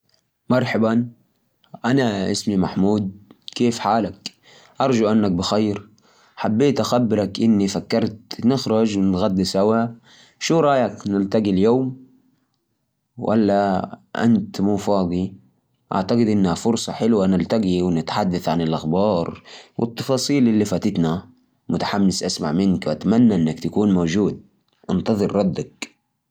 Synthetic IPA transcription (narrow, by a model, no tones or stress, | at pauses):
mɑɾˤħaban | ʔanaʔɪsmimaħmuːd̪̚keːfħaːlak | ʔɑɾˤd͡ʒuʔanːak̚bɪxajɾ | ħabːeːt̪ʔaxabːɪɾˤɑkʔɪnːifakːɑɾˤt̪nɪxɾˤɑd͡ʒwɪnɣad̪ːisawa | ʃuːɾˤɑːjaknɪlt̪aɡiljoːm | wa̰lːaʔa̰nt̪muːfɑːd̪ˤi | ʔa̰ʕt̪aɡɪd̪ʔɪnːhafʊɾsˤɑħɪlwanɪlt̪aɡiwɪnɪt̪ħad̪ːaθʕanɪlʔaxbɑːɾˤwɪ̰t̪ˤːɑfɑːsˤiːlʔɪlːifaːt̪ɪt̪na | mʊt̪ḁħamːɪsʔasma̰ʕmɪnkwʔat̪amanːaʔɪnːakt̪akuːnmod͡ʒuːd̪̚ | ʔɪnt̪ɑðˤɨɾːˤɑd̪ːak̚